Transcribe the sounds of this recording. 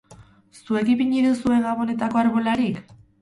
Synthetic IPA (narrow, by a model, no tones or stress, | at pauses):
sue̞kipiɲiɾesue̞ŋɡaβo̞ne̞t̪ako̞aɾβolaɾik